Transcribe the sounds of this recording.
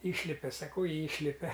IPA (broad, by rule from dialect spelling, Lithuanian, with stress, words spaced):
ˈiːʃʲlʲɪpʲɛ sɐˈkɐʊ ˈiːʃʲlʲɪpʲɛ